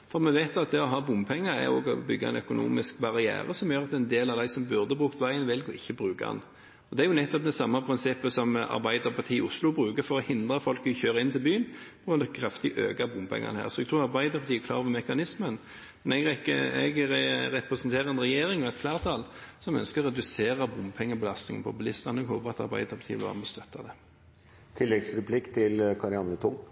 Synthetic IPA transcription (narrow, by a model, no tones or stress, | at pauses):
fɔɾmɛʋæɪt̪ɑt̪̚d̪ɛɔɦɑːbʊmpʰɛŋːəɾɛ̰ɔ̰ɡɔbʏɡːa̰ɛ̰nœkʊnṵːmɪskbɑɾɪæ̰ːɾəsɔmjøːɾɑt̪̚d̪ɛɛnd̪eːlɑʋd̪æɪsɔmbʉʁd̪əbʁʉːkt̪ʋæɪənʋɪlɡɔʔɪçːəbʁʉːkaɛ̰n | ɔd̪ɛæɾjʊnɛt̪ːɔp̚d̪ɛsɑmːɑpʰɾɪnsɪpːəsɔmɑ̰ɾbæɪd̪əʁpʰɑt̪ʰiːʊslʊbʁʉːkəɾfɔɾɔhɪnd̪ʁəfɔlkʋɪçøːɾəɪnt̪ɪlbyːənb̥nd̪ɛkʰɾɑft̪ɪʔøːɡɑbʊmpʰɛ̰ŋːɑ̰nhæ̰ːʁɾsɔɛɡ̚t̪ʰuːɾɑɾbæɪd̪əɾpʰɑt̪iːækʰlɑːɾoɔʋəɾmɛkɑnɪsmən | mɛnɛɡɾɛkəɛ̰ɡɾɛpɾɛsnt̪ʰeːɾəɛnɾɛjeːɾɪŋɔɛt̪flæːʁt̪ʰɑlsɔmœ̰nskəɾɾɛd̪ʉseːɾɑbʊmpʰɛŋːəbəlɑst̪nɪ̰ŋn̩pʰɔpʉlɪst̪ɑnɔɛɡhoːpəɾɑt̪ɑ̰ɾbæ̰ɪd̪əɾpʰɑt̪ʰiːʋɪlɑ̰ɾməst̪œt̪ːɑd̪ɛ | t̪ʰɪlːɛɡsɾɛpʰlɪkt̪ʰɪlkʰɑɾɪɑnət̪ʰʊŋ